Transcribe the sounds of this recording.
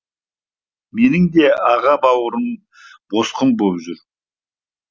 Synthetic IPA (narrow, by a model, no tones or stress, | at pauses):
me̞nɪŋd̪e̞ɑʁɑbɑwəɾən | b̥osqəmbobʒʏɾ